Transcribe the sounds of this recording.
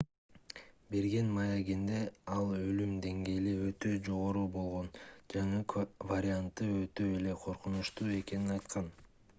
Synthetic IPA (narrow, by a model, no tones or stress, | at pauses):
be̞ɾɡe̞nmɑjaɡind̪e̞ɑlˠølymd̪e̞ŋɡe̞ːliø̞t̪ø̞d͡ʒo̞ʁo̞ɾuːbo̞lˠʁo̞nd͡ʒɑɴɯvɐɾʲɪant̪ːɯøt̪ːø̞ele̞qʰo̞ɾqunuʃt̪uːe̞ke̞ninɑjt̪qɑn